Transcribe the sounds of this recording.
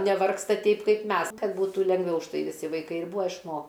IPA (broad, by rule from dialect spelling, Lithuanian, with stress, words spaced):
nʲɛˈʋɐrkstɐ ˈtʲɛɪp ˈkɐɪp ˈmʲɛs ˈkɐt ˈbuːtuː lʲɛŋˈɡʋʲɛʊ ʊʃˈtɐɪ ʋʲɪˈsʲɪ ʋɐɪˈkɐɪ ɪr ˈbuːɐ ɪʃˈmoː